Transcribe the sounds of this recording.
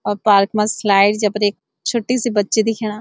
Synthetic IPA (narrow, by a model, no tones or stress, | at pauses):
ɔːɾpaːɾkmãːslaːɪɖd͡ʒapəɾek̚ | t͡ʃʰʊʈːiːsiːbətːʃiːd̪iːkʰɛɽ̃aː